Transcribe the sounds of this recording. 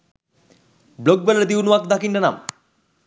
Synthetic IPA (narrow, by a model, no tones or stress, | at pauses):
bloɡ̚belaɾd̪iwnuak̚d̪akinɖana̰m